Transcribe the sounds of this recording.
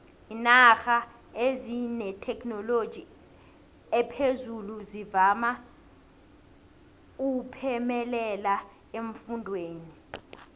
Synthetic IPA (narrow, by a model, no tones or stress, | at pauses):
inaxa | ezinɛtʰɛknɔlo̥ʒ̥ʱi | ɛpʰezuluzivama | upʰɛmɛlɛla | eɱfundʱweːni